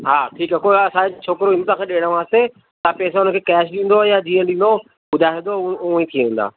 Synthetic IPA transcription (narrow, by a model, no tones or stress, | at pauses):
ɦaːʈʰiːkəkoɐsãet͡ɕʰoːkɪɾoɪ̃nt̪ãkʰẽɗeːɽ̃ə̃ʋãːst̪e | t̪apɛːsãʊnəkʰeːkɛːʃɗĩːn̆d̪ojad͡ʑiːə̃ɗĩːn̆d̪o | ɓʊd̪ʱaːɦẽd̪ouĩt̪ʰĩʋẽːn̆d̪a̰ː